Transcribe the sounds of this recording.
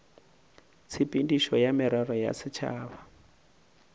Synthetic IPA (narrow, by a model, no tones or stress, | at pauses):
t͡sʰipindiʃɔjamiɾarɔja̰sit͡ʃʰa̰ːβa